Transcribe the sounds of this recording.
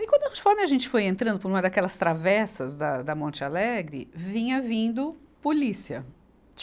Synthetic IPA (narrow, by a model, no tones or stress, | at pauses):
ĩkwɐ̃d̪ʊheefɔɾmɪaʒẽnt͡ʃɪ̥fojẽnt̪ɾɐ̃nd̪ʊpʊɾũmɐd̪akɛlɐst̪ɾavɛsɐzd̪ɐd̪ɐmõnt͡ʃɪalɛɡɾɪ̰vĩɲɐvĩnd̪ʊpolisiɐ